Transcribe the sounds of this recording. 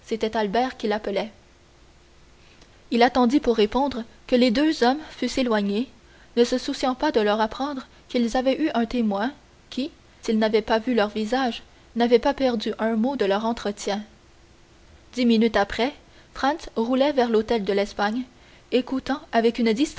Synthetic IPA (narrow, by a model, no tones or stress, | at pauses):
set̪ɛt̪albɛːʁkʲilapəlɛ | ilat̪ɑ̃d̪ipuʁːepɔ̃d̪ʁkəled̪øzɔmfyselwaɲe | nəsəsusjɑ̃pad̪əlœʁapχɑ̃d̪ʁə | kʲilzavɛʔyʔɛ̃t̪emwɛ̃ | kʲʰi | silnavɛpavylœʁvizaʒ | navɛpapɛʁd̪yʔœ̃mod̪əlœʁɑ̃t̪χət̪jɛ̃ | d̪iminyt̪apχɛ | fχɑ̃nsʁulɛvɛʁlot̪ɛld̪əlɛspaɲ | ekut̪ɑ̃avɛkynd̪ist̪